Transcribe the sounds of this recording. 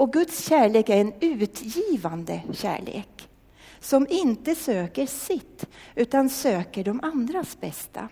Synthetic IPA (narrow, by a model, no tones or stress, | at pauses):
ɔɡɵt̪sɕæːɭeːkæɾɛnʉ̟ːt̪jiːvand̪əɕæ̰ːɭḛːk | sɔmɪnt̪əsøːkəɾsɪt̪ːʉ̟ːt̪ansøːkəɖɔmʔand̪ɾasbɛst̪ʰa̰